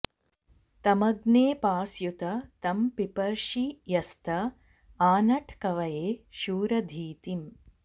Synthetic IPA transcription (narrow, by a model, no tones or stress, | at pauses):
t̪ɐmɐɡneːpaːsjut̪ɐt̪ɐmpipɐɾʃijɐst̪ʰɐ | aːnɐʈʰkɐʋɐjeːʃuːɾɐd̪ʱiːt̪im